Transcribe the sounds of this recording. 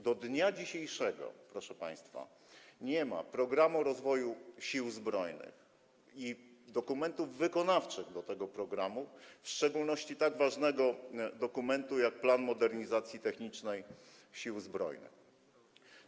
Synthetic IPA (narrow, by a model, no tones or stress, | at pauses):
d̪ɔd̪ɲad͡ʑiɕejʂɛɡɔ̰pɾɔʂɛpa̰j̃st̪fa̰ | ɲɛma̰pɾɔɡɾamuɾɔzvɔjuɕiwzbɾɔjnɘ̰x | id̪ɔkumɛnt̪uvːɘkɔnaft͡ʂɘɣd̪ɔt̪ɛɡɔpɾɔɡɾamufʂt͡ʂɛɡulnɔɕt͡ɕit̪aɡvaʐnɛɡɔd̪ɔkumɛnt̪ujak̚planmɔd̪ɛɾɲizat̪sʲjit̪ɛxɲit͡ʂnɛj | ɕiwzbɾɔ̰jnɘ̰x